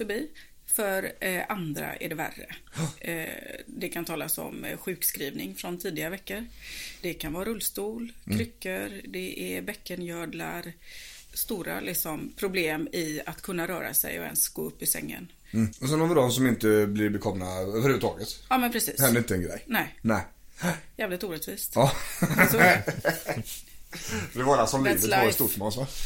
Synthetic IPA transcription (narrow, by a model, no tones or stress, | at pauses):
fœɾbiː | fœɾʔand̪ɾa̰ʔæ̰ɖɛvæ̰rːə̰ | d̪ɛkʰant̪ʰɑːlasɔ̰mɧʉ̟ːkskɾiːvnɪŋfɾɔnt̪ʰiːd̪ɪavɛkːəɾd̪̥ɛkʰanvɑːɾɾɵlːst̪uːlkʰɾʏkːəɾd̪ɛʔɛbɛkːənjœːd̪laɾ | st̪uːɾa̰lʔɪksɔmpʰɾʊbleːmɪat̪kʰɵnːaɾœːɾa̰sɛ̰jɔ̰ɛ̰nsɡ̥oːɵpːɪsɛ̰ŋːə̰n | ɔsɛnɔməd̪ɔmsɔmɪnt̪əblɪɾbɛkʰɔmnaøːvəɾʉvət̪ʰɑːɡət̪ɑːmɛnpʰɾɛsḭːhɛnd̪əɾɪnt̪əɛnɡɾɛ̰jnɛɪnɛɪ | jɛːvlɪt̪uːɾɛt̪viːst̪ɑ | d̪ɛvɑːɾasɔmliːvvət̪ɔɾst̪uːmɔnsʋa